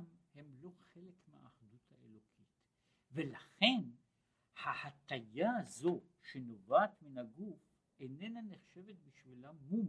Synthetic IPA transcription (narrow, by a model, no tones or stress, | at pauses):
mhe̞mlo̞χe̞lekmea̰ːχd̪ut̪haelo̞kʰit | ve̞laχe̞n | hahat̪ajaːzo̞ʃeno̞vaːt̪minaɡuf | ene̞naneχʃe̞vet̪̚biʃvilamːum